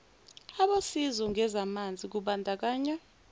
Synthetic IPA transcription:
aɓosizɔŋʱɛzamand͡zʱik̬uɓandʱak̬aːɲa

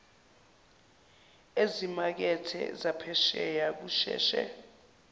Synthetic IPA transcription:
ezimak̬ɛtʰɛ̰zapʰɛʃɛjak̬uːʃɛ̰ːʃɛ̰

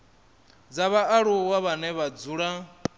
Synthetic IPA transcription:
d͡zaβaʔaɺuwaβanɛβad͡zuːɺa

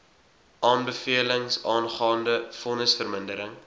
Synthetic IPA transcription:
ʔɑːnbəfiələŋsɑːnχɑːndəfɔnəsfərməndəɾəŋ

